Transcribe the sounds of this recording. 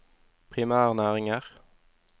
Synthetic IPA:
pʰʁɪmæːʁnæːʁɪŋəʁ

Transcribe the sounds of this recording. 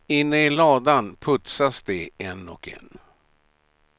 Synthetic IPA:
ɪnːəɪlɑːd̪anpʰɵt̪sasd̪ɛɛnɔ̰kɛ̰n

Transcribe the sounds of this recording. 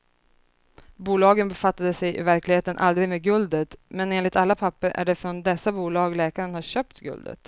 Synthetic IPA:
buːlɑːɡənbɛfat̪ːad̪əsɛjʔɪ̰væɾklɪɡheːt̪ənʔa̰ld̪ɾɪɡmeːɡɵld̪ət̪mɛneːnlɪt̪alːapʰapːəɾæ̰ɖɛfɾɔnd̪ɛsːabuːlɑːɡlɛːkaɾənhaɕœːpt̪ɡɵ̰ld̪ə̰t̪

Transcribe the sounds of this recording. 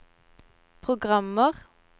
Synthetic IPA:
pʰʁʊɡʁɑməʁ

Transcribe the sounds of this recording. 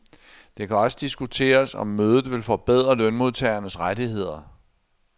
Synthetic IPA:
d̥e̝kʰæɒ̽səd̥isɡ̥ut͡sʰe̝̰ːɐsɒ̽mːøːð̞ˠð̩ˠʋe̝lfɒ̽b̥eð̞̰ˠʁɐlœnmo̝ðˠt͡sʰɛɪɐnəsʁadihe̝ð̞̰ˠɐ

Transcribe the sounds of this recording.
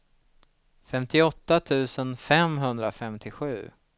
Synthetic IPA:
fɛmt̪ɪɔt̪ːat̪ʰʉ̟ːsənfɛmɦɵnd̪ɾafɛmt̪ʰɪɧʉ̟ː

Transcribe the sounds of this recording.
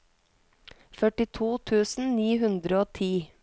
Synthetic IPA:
fœʈɪt̪ʰuːt̪ʰʉːsn̩niːɦʉnd̪ɾəoːt̪ʰiː

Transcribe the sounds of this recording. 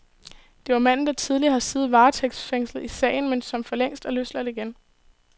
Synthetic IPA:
d̥e̝ʋɑ̈mæn̰n̩d̥ɑ̈t͡sʰið̞ˠlihɑ̈siːð̩ˠʋɑ̈ːt͡sʰeɡ̥sfeŋslð̩ˠisɛ̰ɪn̩mensɒ̽mfɒ̽leŋ̰sd̥ɒløslæð̩ˠiɡ̥en

